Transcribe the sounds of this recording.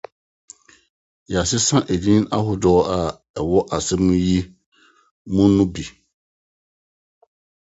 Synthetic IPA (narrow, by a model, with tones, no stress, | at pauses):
ja˨sɪ˦sã˦ʔe˨dĩ˦ñ˦ʔa̰˦ɦʊ˦dɔː˨˦a˨ | ɛ˨wɔ˦ʔa˨sɛ˦mũ˦ji˦ | mũ˦nũ˦bi˨